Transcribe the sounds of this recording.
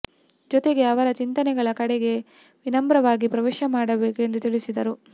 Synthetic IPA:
d͡ʒɔt̪eɡe̞ɐʋɐɾɐt͡ʃint̪ɐnɛɡɐɭɐkɐɽɛɡe̞ | ʋinɐmbɾɐʋaːɡipɾɐʋeːʃɐmaːɽɐbeːkue̞nd̪ut̪iɭisid̪ɐɾu

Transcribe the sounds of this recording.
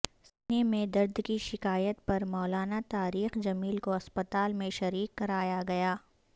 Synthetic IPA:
sɪnemẽd̪ɐɾd̪kiʃɪkaːjət̪̚pɐɾmɔːlaːnat̪aːɾiːxd͡ʒɐmiːlkoɐspɐt̪aːlmẽʃɐɾiːkːɐɾaːjaɡɐjaː

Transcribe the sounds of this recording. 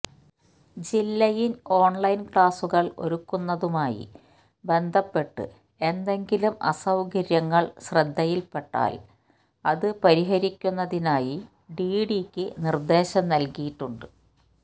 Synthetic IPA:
d͡ʑilːɐjino̞ːɳlɐjnkɭaːsuɣɐɭo̞̰ɾukːunːɐðumaːjḭ | be̞nd̪ʱɐpːe̞ʈːɨ̰ | e̞nd̪e̞ŋɡilumʔɐ̰sɐwɡɐɾjɐŋːɐɭɕrɐd̪ʱːɐjilpe̞ʈːa̰ːl | ɐðɨpɐɾiɦɐɾikʲːunːɐðinaːji | ɖiːɖikʲːɨnird̪e̞ːɕɐmnɐlkijiʈːuɳɖɨ

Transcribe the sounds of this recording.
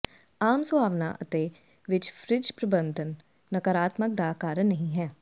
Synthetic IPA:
aːmsʊbʱaːʋna̰ːʔət̪e | ʋɪt͡ʃfʰɾɪd͡ʒpɾəbə̃nd̪ʱənː | əkəɾaːt̪mək̚d̪aːkaːɾənəɦĩɦɛː

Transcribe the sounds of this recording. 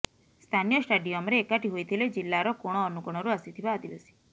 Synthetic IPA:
st̪ʰanijəsʈəɖioɔmɾeːkaʈiɦojt̪ʰiled͡ʒilːaɾɔkoɽ̃ɔːnukɔɳ̃ɔɾuasit̪ʰiʋaːd̪iʋasi̥

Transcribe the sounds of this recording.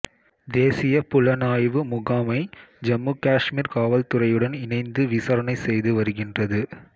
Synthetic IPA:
d̪eːsɪjɐpʊlɐnaːjʋɯmʊɣaːmɐɪd͡ʒɐmːuːkaːʂmiːɾkaːʋɐlt̪ɯrɐjɯɽɐnɪnɐɪnd̪ɯʋɪsɐɾɐnɐɪsɛjðɯʋɐɾɯɣɪndrɐðɯ

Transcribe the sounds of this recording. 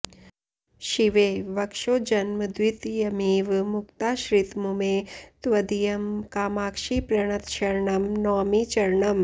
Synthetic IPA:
ʃiʋeʋɐkʂod͡ʒɐnmɐd̪ʋit̪jɐmiːʋmukt̪aːʃɾit̪mumet̪ʋɐd̪ijɐmkaːmaːkʃiːpɾɐɳ̃ɐt̪ʃɐɾɳɐmnɔːmiːt͡ʃɐɾɳɐm

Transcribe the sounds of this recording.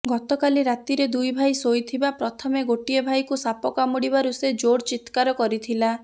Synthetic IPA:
ɡɔt̪ɔkaliɾat̪iɾed̪ujbʱajsojt̪ʰibapɾɔt̪ʰɔmeɡoʈiɔbʱajkusapɔkamuɽibaɾused͡ʒoɽt͡ʃit̪kaɾɔkɔɾit̪ʰila

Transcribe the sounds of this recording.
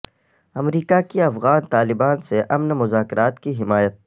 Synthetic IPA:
ɐmɾiːkakiɐfɣaːnt̪aːlɪbaːnseʔɐmnmʊzaːkɾaːt̪kiɦɪmaːjət̪̚

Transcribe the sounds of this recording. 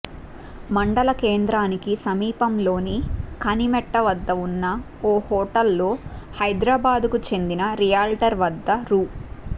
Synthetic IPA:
mɐɳɖɐlɐkeːnd̪ɾaːnikisɐmiːpɐmlo̞ːnikɐnimɛʈːɐʋɐd̪ːɐunːɐ | oːhɔːʈɐlːo̞ːhɐjd̪ɾaːbaːd̪ukut͡ʃe̞nd̪inɐɾijaːlʈɐɾʋɐd̪ːɐɾuː

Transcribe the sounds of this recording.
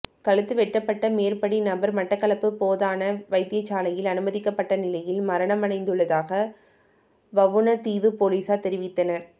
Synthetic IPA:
kɐɭɯt̪ːɯʋɛʈːɐpːɐʈːɐmeːɾpɐɽinɐbɐɾmɐʈːɐkːɐɭɐpːɯpoːðaːnɐʋɐɪt̪ːɪjɐt͡ʃːaːlɐjɪlɐnɯmɐðɪkːɐpːɐʈːɐnɪlɐjɪlmɐɾɐɳɐmɐnɐɪnd̪ɯɭːɐðaːɣɐ | ʋɐʋɯnɐt̪iːʋɯpoːliːsaːt̪ɛɾɪʋɪt̪ːɐnɐɾ

